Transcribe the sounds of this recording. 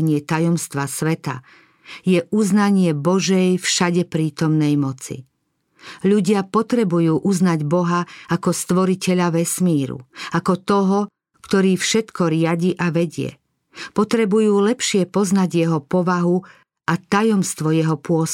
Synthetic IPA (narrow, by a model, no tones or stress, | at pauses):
ɲɪɛt̪ajɔmst̪ʋasʋɛt̪a̰ | jɛʔuznaɲɪɛbɔʒɛjfʃaɟɛpɾiːt̪ɔmnɛjmɔt͡sḭ | ʎuɟɪapɔt̪ɾɛbujuːʔuznaɟbɔɦaakɔst̪ʋɔɾicɛʎaʋɛsmiːɾṵakɔt̪ɔɦɔ | kt̪ɔɾiːfʃɛt̪kɔɾɪaɟiʔaʋɛɟɪɛ̰ | pɔt̪ɾɛbujuːlɛpʃɪɛpɔznaɟjɛɦɔpɔʋaɦu | ʔat̪ajɔmst̪ʋɔjɛɦɔpʊɔs